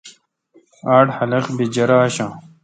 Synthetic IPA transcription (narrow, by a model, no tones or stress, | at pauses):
aːʈhɐlɐqbid͡ʑɐɾaːɕãː